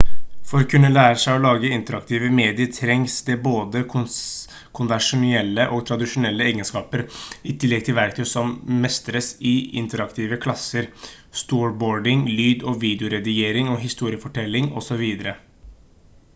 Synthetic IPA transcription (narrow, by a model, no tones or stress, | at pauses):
fɔɾkʰʉnːəlæːɾəʂæɪɔlɑːɡəɪnt̪əɾɑkt̪ʰiːʋəmeːd̪ɪəɾt̪ʰɾɛŋsd̪ɛboːd̪əkʰʊ | kʰʊnʋɛʂʊnɪɛlːəʔɔɡt̪ʰɾɑd̪ɪʂʊnɛlːəeːɡənskɑːpəɾɪt̪ʰɪlːɛɡ̚t̪ʰɪlʋæɾkt̪ʰʉsɔmmɛst̪əɾəsɪɪ̰nt̪əɾɑkt̪ʰiːʋəkʰlɑsːəɾ | st̪uːɹboːɖɪŋlyːd̪ɔʋiːd̪ɪʊɾɛd̪ɪjeːɾɪŋɔɦɪst̪uːɾɪəfɔʈʰɛlːɪŋɔ̰sɔʋiːd̪əɾə